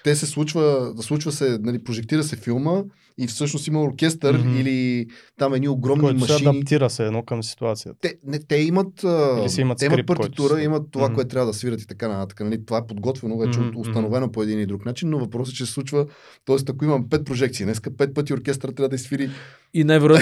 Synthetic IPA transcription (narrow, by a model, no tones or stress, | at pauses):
t̪ɛsɛslˠut͡ʃvəslˠut͡ʃvəsɛnɐlipɾoʒɛk̚t̪iɾəsɛfilˠmə | ifsɤʃnost̪iməoɾkʲɛst̪əɾilit̪amɛd̪nioɡɾɔmnimmɐsʃɐiɐit̪iɾəsɛːd̪nɔkəmsi̥t̪uat̪sijə̰t̪ɛnɛt̪ɛimət̪əɛimɐt̪ɛimɐɾipɐɾt̪ikt̪uɾəimət̪ːovakoɛt̪t̪ɾʲavəd̪ɐsviɾət̪it̪ɐkanɐt̪at̪ə̥kənɐlit̪ovaɛpod̪ɡɔt̪vɛnoːvɛt͡ʃɛoost̪ɐnovɛnopoɛd̪inid̪ɾuknat͡ʃinːovɐpɾɔs̬ɛt͡ʃɛsɛ̥sˠut͡ʃvə | t̪ɔɛst̪ɐkoimɐmpɛt̪̚pɾoʒɛkt̪siːnɛskəpɛt̪̚pɤt̪ioɾkʲɛst̪ɾət̪ɾavəd̪ɐisfiɾi | inaɛvɾ